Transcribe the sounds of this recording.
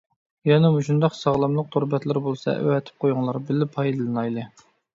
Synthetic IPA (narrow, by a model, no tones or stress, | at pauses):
jɑnɨmuʃund̪ɑqsɑʁlˠɑmlˠəq̚t̪ʰoɾbɛt̪lɪɾbolˠsɑ̰ʔy̰wɛt̪ʰɪ̥p̚qʰojʊŋlˠɑɾbɪlːɪpʰɑjd̪ɨlˠɨnɑjlˠɨ